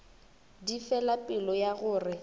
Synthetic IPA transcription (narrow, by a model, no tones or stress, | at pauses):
difɛlapʼɪlɔjaɣʊːrɪ